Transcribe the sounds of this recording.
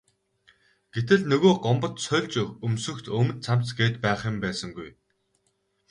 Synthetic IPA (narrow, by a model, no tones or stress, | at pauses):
ɡ̥et̪ɘ̆ɮnɵɣoːɢɔmpə̆t̪sœɮt͡ɕɵxɵmsɵ̆kt̪ʰɵmɵ̆nt̪̚t͡sʰam̥t͡sɡeːt̪pæːχɪ̆mpæːsə̆ŋɡuj